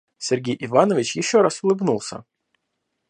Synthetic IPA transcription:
sʲɪrɡʲejʔɪvanəvʲɪt͡ɕjɪɕːoɾasʊlˠɨbnulˠsʲə̰

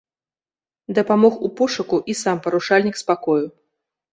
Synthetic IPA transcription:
d̪ɐpamɔxupɔʂɐkuʔisampɐɾuʂalʲnʲikspakɔju

